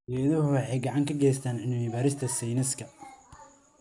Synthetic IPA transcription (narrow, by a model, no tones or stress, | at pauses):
ɛːðɐɦʊwɑħɑjɡɑʕɑŋkʰɐɡɛjst̪ʰaːnʕɪnʊmiβaːɾɪst̪ʰɐsɛjnɐskʰɐ